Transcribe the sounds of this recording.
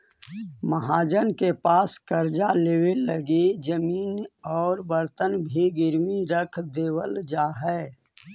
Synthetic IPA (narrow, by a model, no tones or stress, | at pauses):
məɦaːd͡ʒənkepaːskəɾd͡ʒaleːweəɡid͡ʒəmiːnɔːɾbəɾt̪ənbʱiɡɪɾmiɾəkʰd̪eːwəld͡ʒaːɦɛː